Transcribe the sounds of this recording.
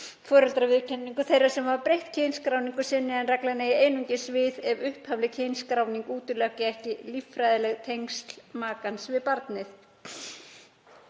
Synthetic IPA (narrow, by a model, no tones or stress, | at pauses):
fɔːɾœlt̪ɾavɪðcʰɛnːiŋkʏθejɾḁsɛmhavapɾejht̪cʰejnskɾawniŋkʏsɛnːɪðanrɛklanaieːjnuɲcɪsvɪðɛvʏhphavlɪcʰejnskɾaːwniŋkuːt̪ʏlœhcɪɛhcɪlifɾajðɪlɛɣt̪ʰejŋkst̪l̥maːkansvɪðpaɾt̪nɪθ